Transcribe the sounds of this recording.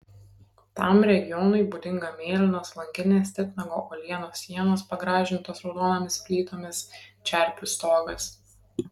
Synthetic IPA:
t̪ɑmɾʲɛɡʲɪjɔnʊɪbuːd̪ʲɪŋɡɐmʲeːlʲɪnoːslˠɐŋʲɡʲɪnʲeːsʲt̪ʲɪt̪ʲnʲɐɡo̰ːʔoːlʲiɛnoːsʲːiɛnoːspɐɡɾɑːʒʲɪnt̪oːsɾɔʊd̪oːnoːmʲɪskʲlʲiːt̪oːmʲɪst͡ʃʲæˑɾʲpʲʊst̪oːɡɐs

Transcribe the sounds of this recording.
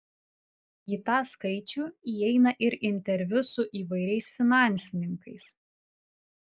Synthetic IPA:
iːt̪ɑːskɐɪt͡ʃʲuːiɛɪnɐʔɪɾɪnʲt̪ʲɛɾʲʋʲʊsʊʔiːʋɐɪɾʲɛɪsfʲɪnɑˑnʲˑsʲɪnʲɪŋkɐɪs

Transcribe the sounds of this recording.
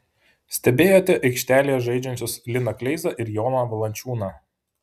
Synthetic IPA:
sʲt̪ʲɛbʲeːjoːt̪ʲɛʔɐɪkʃʲt̪ʲæːlʲijɛʒɐɪd͡ʒʲɛnʲt͡ʃ̪ʲoslʲɪnɐklʲɛɪzɐʔɪɾjoːnɐʋɐlˠɐnʲt͡ʃʲuːnɐː

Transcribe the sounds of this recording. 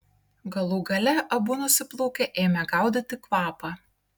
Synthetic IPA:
ɡɐlˠuːɡɐlʲɛʔɐbuːnʊsʲɪplˠɔʊkʲɛʔeːmʲɛɡɑˑʊd̪ʲɐt̪ʲɪkʋɑːpɑ

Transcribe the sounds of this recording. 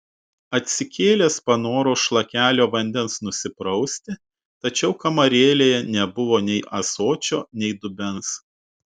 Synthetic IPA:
ɐt̪ʲsʲɪkʲeːlʲeːspɐnoːɾoːʃlˠɐkʲæːlʲoːʋɐnʲd̪ʲɛnsnʊsʲɪpɾɒʊsʲt̪ʲɪ | t̪ɐt͡ʃʲɛʊkɐmɐɾʲeːlʲeːjɛnʲɛbʊʋoːnʲɛɪʔɐsoːt͡ʃʲoːnʲɛɪd̪ʊbʲɛns

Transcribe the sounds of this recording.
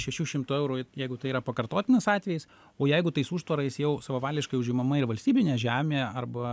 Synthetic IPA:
ʃʲɛʃʲuːʃʲɪmt̪uːɛʊɾuːɪjɛɪɡʊt̪ɐɪiːɾɐpɐkɐɾt̪oːt̪ʲɪnɪsɑːt̪ʲʋʲɛjɪs | oːjɛɪɡʊt̪ɐɪsuːʃt̪ʋɐɾɐɪsjɛʊsɐʋɐʋɑːlʲd̪ʲɪʃkɐɪʊʒʲɪmɐmɐɪɾʋɐlʲsʲt̪ʲiːbʲɪnʲɛːʒʲæːmʲeːɐrbɐ

